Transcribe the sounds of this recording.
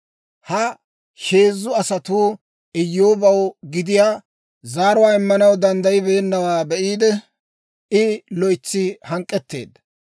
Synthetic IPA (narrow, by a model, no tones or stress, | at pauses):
hɐ | ʃe̞ːzːʊɐsɐt̪uː | ɪjːoːbɐwɡɪd̪ɪjaː | zaːɾʊwaːɪmːɐnɐwd̪ɐnd̪ɐjɪbe̞ːnːɐwaːbɛʔiːd̪ɛ | ɪlɔɪt͡sːɪhɐŋkʼːɛt̪ːe̞̰ːd̪ːɐ